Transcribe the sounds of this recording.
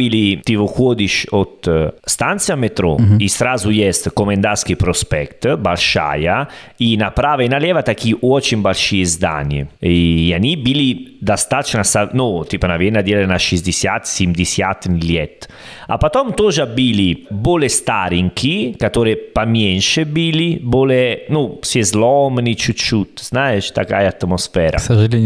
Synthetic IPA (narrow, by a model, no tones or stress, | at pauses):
ilit̪ivokwɔːd̪iʃot̪st̪ant̪sjamet̪ɾɔ̰ist̪ɾaːzujɛst̪komend̪ask̟ipɾospɛkt̪balʃa̰ːjainapɾaːvainalɛːvat̪akiʔwɔt͡ʃimbalʃiezd̪a̰nḛjanibilid̪ast̪at͡ʃnasanot̪iːpənavjɛnːad̪jɛlenaʃizd̪isjat̪ːsimd̪isjat̪ːniljɛt̪ː | a̰pat̪ɔmt̪oʒabiliboːlest̪aːɾiŋkʰikat̪oːɾepamjɛnʃebilibolenusjɛzlɔmnit͡ʃut͡ʃːut̪ːz̥naet͡ʃt̪aka̰jaːt̪mosfɛːɾa̰saʒili